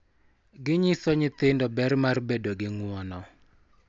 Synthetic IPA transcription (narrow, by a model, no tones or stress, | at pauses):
ɡɪɲɪsɔɲɪt̪ɪndɔbɛrmarbedoɡɪŋwɔnɔ